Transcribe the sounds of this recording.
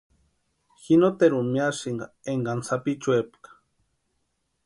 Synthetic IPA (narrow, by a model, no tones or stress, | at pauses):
xinot̪eɾumiasiŋɡa | eŋɡansapit͡ʃuepkḁ